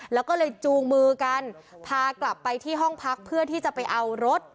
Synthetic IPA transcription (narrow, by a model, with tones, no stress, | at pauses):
lɛː˦˥wkɔː˥˩lɤː˧jt͡ɕuː˧ŋmɯː˧ka˧npʰaː˧kla˨˩pːa˧jt̪ʰiː˥˩ɦɔ˥˩ŋpʰa˦˥k̚pʰːɯ˥˩ɐt̪ʰiː˥˩t͡ɕa˨˩pa˧jʔa˧wɾo˦˥t̪̚